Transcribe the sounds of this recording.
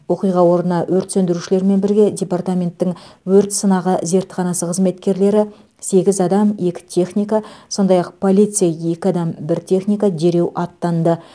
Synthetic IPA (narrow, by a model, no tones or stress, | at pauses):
wo̞qijʁɑwo̞ɾənɑwɵɾt̪sɵnd̪ɪɾuʃɪle̞ɾme̞nbɪɾɡʲe̞dʲe̞part̪amʲe̞nt̪ːɪŋwɵɾt̪sənɑʁəze̞ɾt̪ːɪ̥χɑnɑsəqʰəzme̞t̪kʲe̞ɾle̞ɾɪ | se̞ɡʲɪzɑd̪ɑme̞kʲɪ̥t̪ʲʰe̞χnʲijkaso̞nd̪ɑjɑqpʰo̞lʲˠijt̪sɨjaje̞kʲɪɑd̪ɑmbɪɾt̪ʲʰe̞χnʲijkad̪e̞ɾe̞wʔɑt̪ːɑnd̪ə